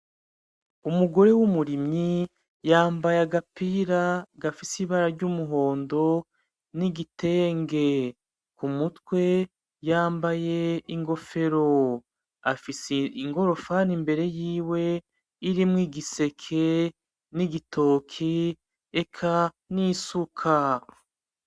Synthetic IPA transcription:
umuɡo̞ɾe̞wumuɾimɲi | jaːmbajaɡapiɾaɡafisiβaɾaɾɟumuɦo̞ːndo̞ | niɡite̞ːŋɡe̞ | kumutwe̞ | jaːmbaje̞iŋɡo̞fe̞ɾo̞ | a̰fiseiŋɡo̞ɾo̞fanimbe̞ɾe̞jiːwe̞ | iɾimŋwiːɡise̞kʰe̞ | niɡitʰo̞ːkʰi | ekʰa | nisukʰa

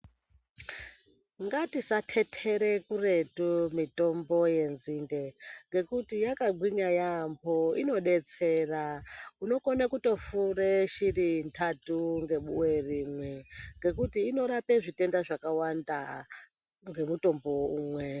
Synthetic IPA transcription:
ŋɡatisatʰe̞tʰeɾekure̞tumito̞mbo̞je̞nzinde̞ŋɡe̞kutijakaɡ͡bwiɲajambʰoino̞ɗe̞t͡serauno̞konakuto̞fuɾeʃiɾintʰatuŋɡe̞ɓuweriːmwe̞ŋɡe̞kutiːno̞ɾapeʐite̞ndaʐakawanda | ŋɡe̞muto̞mbo̞uːmwe̞

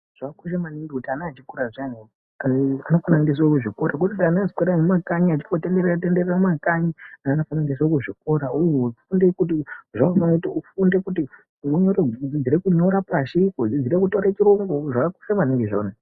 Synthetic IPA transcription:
ʐ̥aakuʃ̬emaniŋɡekutianaːt͡ʃikuɾaʐani | anofanaindes̬okuʐiko̞ɾak̬utitanazikwoɾanumakaɲiat͡ʃi̥fotendertendereamakaɲinaːnofanandes̬okuʐik̚o̞ɾaujoufunde̞kutiʐakaanokutiufunde̞kuti | uɲored͡zid͡ziɾekuɲo̞ɾapaʃikoid͡ziɾekuto̞ɾat͡ʃiɾoŋɡoʐakaku̥ʃamaniŋɡeʐo̰na

